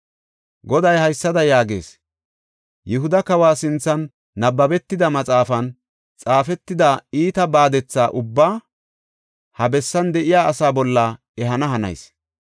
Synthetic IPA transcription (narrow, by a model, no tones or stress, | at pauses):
ɡɔd̪ɐjhɐjsːɐd̪ɐjaːɡḛːs | jɪɦʊd̪ɐkɐwaːsɪnt͡sːɐnː | ɐbːɐbɛt̪ːɪd̪ɐmɐt͡sʼaːfɐn | t͡sʼaːfɛt̪ːɪd̪aːiːt̪ɐbaːd̪ɛt͡sːaːʔʊbːaː | hɐbɛsːɐnd̪ɛʔɪjaːɐsaːbɔlːɐ | ɛɦɐnɐɦɐnɐ̰js